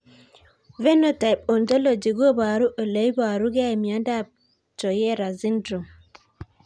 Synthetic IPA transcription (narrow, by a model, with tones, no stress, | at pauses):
vɛ˦no˦ta˨p̚o˨ndo˦lo˨d͡ʒi˨ɡo˦ba˨ɾu˦ʔo˨le˨˦jba˨ɾu˦ɡa˦i˨mi˨a˨˦nda˦˨p̚ | t͡ʃɔ˨jɛ˦ɾa˨zi˦ndɾu˨m